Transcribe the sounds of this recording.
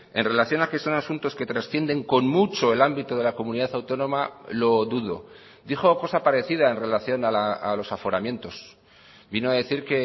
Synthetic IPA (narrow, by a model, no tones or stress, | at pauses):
e̞nre̞laθjo̞nake̞so̞nasunt̪o̞ske̞t̪ɾasθjend̪e̞ŋko̞nmut͡ʃo̞e̞lambit̪oð̞e̞lako̞mũniðaθawt̪o̞nõ̞malo̞ðuðo̞̰ | d̪ixo̞ko̞sapaɾe̞θiðaenre̞laθjo̞nalaa̰lo̞safo̞ɾamjẽ̞nt̪o̞s | binoaðe̞θiɾke̞